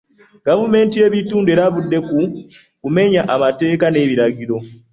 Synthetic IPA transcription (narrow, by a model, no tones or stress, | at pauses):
ɡavume̞ːntie̞ːβituːndeɾaβudːe̞ku | kume̞ɲaʔamate̞ːkane̞ːβiɾaɟiɾo̞